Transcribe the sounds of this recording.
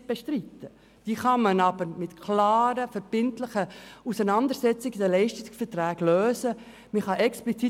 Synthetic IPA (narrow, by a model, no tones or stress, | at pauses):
b̥ɛʃtɾitə | d̥iːχɑmɑnɑbəmɪtkʰlɑːɾəfəɾb̥ɪntlɪχəusənɑnd̪əɾsɛt͡sɪɡd̪əlɛɪʃtɪɡsfəɾtɾæːɡ̥løːsə | miχɑʔɛksplit͡si